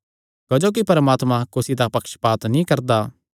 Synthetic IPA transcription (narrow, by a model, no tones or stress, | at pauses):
kod͡ʒoːk̬ipɐɾəmaːt̪mãkʊsit̪apɐkʃpaːt̪nĩkɐɾd̪aː